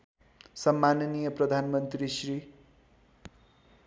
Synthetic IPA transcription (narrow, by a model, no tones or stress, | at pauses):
sʌmːanʌnijʌprʌd̪ʱanmʌnt̪risri